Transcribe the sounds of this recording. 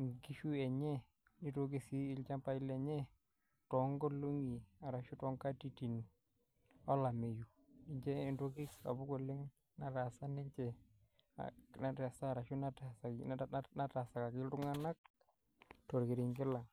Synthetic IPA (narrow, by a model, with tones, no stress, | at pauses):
ŋɡi˦ʃu˦ɛ˨ɲɛ˦ | ni˦to˦ɡ̬i˦si˦ɪ˦lt͡ʃa˦mpa˦ɪ˦lɛ˨ɲɛ˦ | tɔ˨ŋɡɔ˦lu˦ŋi˨a˨ɾa˨ʃu˦tɔ˨˦ŋka˦ti˦˨ti˨n | ɔ˦la˨me˨ju˨ | ɪ˨ɲd͡ʒɛ˦˨nto˦ki˦ka̰˨bu˦ko˨lɪ˦ŋ | na˨ɾa˨sa˦nɪ˦ɲt͡ʃɛ˨ | a̰na˨ta˨sa˦˨ɾa˨ʃu˦na˦ta˨sa˨na˦ta˨sa˨ka˨kɪ˦ltʊ˦ŋa˦na˦k̚ | to˨ɾkɪ˨ɾɪ˨ŋɡɪ˦la˨ŋ